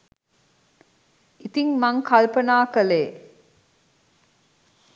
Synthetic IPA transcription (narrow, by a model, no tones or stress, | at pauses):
ʔit̪iŋmaŋkalpənaːkəleː